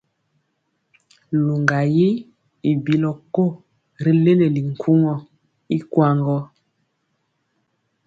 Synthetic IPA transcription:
lu˨ŋɡa˨ji˦ | i˨bi˨lɔ˨ko˦˨ | ɾi˨le˦le˨li˨ŋ̩˨kʰu˦ŋɔ˨ | i˦kwa˨ŋɡɔ˦

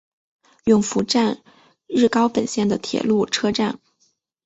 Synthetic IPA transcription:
jʊ˥˩ŋfu˧˥ʈ͡ʂa˥˧n | ɻɻ̩˥˩kɑ˥ʊpə˨˩nɕjɛ˥˩nd̪ə˩t̪ʰjɛ̰˨˩lu˥˩ʈ͡ʂʰɤ˥ʈ͡ʂa˥˩n

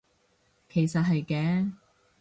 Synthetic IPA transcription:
kʰe˨˩jsɐ˨t̚ɦɐ˨jkɛː˨˥

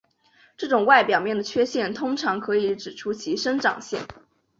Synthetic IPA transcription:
ʈ͡ʂɤ˥˩ʈ͡ʂʊ˨˩ŋwa˥˩ɪpjɑ˨˩ʊmjɛ˥˩nd̪ə˩t͡ɕʰɥɛ˥ɕjɛ˥˩nt̪ʰʊ˥ŋʈ͡ʂʰɑ˧˥ŋkʰɤ˧˥i˧˥ʈ͡ʂɻ̩˨˩ʈ͡ʂʰu˥t͡ɕʰi˧˥ʂə˥nʈ͡ʂɑ̰˨˩ŋɕjɛ̰˥˩n

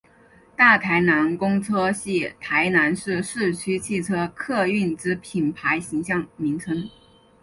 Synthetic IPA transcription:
t̪a˥˩t̪ʰa˧˥ɪna˧˥nkʊ˥ŋt͡sʰɤ˥ɕi˥˩t̪ʰa˧˥ɪna˧˥nʂɻ̩˥˧ʂɻ̩˥˩t͡ɕʰy˥t͡ɕʰi˥˩ʈ͡ʂʰɤ˥kʰɤ˥˧y˥˩nʈ͡ʂɻ̩˥pʰi˨˩npʰa˧˥ɪɕi˧˥ŋɕjɑ˥˩ŋmi˧˥ŋʈ͡ʂʰə˧˥ŋ

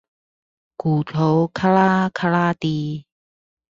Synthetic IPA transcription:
kuː˨˩t̪ʰo˨˦wkʰa˥laː˦˥kʰa˥laː˦˥t̪iː˧

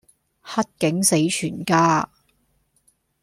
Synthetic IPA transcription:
hɐ˥t̚kɪ˨˥ŋse˨˥jt͡ʃʰyː˨˩nkaː˥

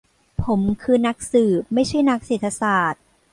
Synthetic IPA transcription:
pʰo˩˦mkʰɯː˧na˦˥k̚sɯː˨˩p̚ma˥˩jt͡ɕʰu˥˩əjna˦˥k̚seː˨˩t̪ʰːa˧saː˨˩t̪̚

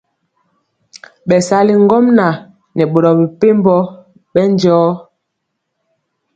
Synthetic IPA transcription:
ɓɛ˨sa˨˦li˨ŋ˦ɡɔ˦mna˨ | nɛ˨ɓo˨ɾɔ˨bi˨pe˦mbɔ˦ | ɓɛ˦n˦d͡ʒɔː˦

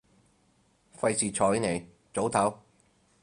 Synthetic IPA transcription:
fɐ˧jsiː˨t͡ʃʰɔː˨˩ji˥ne˨˩j | t͡so˨˥wt̪ʰɐ˨˥w

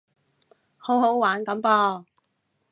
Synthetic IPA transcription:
ho˨˥who˨˥wwaː˨˥nkɐ˨˥mpɔː˧

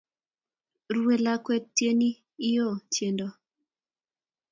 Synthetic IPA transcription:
ɾwe˨la˦kwɛ˦tːje˦niː˦ | jo˦˨t͡ʃje˨ndo˨

